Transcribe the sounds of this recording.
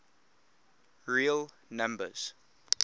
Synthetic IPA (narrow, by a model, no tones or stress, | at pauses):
ɹil | nãmbə̰z̥